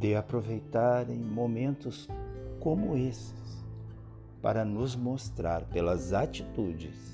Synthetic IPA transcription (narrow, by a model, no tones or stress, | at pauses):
d̪ɪapɾovejt̪aɾẽj̃momẽnt̪ʊskõmʊesɪ̥s | pa̰ɾɐnʊzmost̪ɾaɾpelɐzat͡ʃit̪ud͡ʒɪs